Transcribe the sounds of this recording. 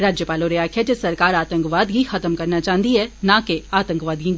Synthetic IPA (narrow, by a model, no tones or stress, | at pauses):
ɾaːd͡ʒjəpaːloɾijaːkʰjət͡ʃesɐɾkaːɾaːt̪ə̃ŋkʋaːd̪ɡixɐt̪əmkɐɾnat͡ʃaːɦən̆d̪iɦɛnãkeaːt̪ə̃ŋkʋaːd̪ɡĩ